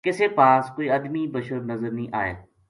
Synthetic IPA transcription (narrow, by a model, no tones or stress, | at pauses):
kɪseːpaːskoːiɐd̪mibəʃəɾnɐzəɾnĩːʔa̰ːḛː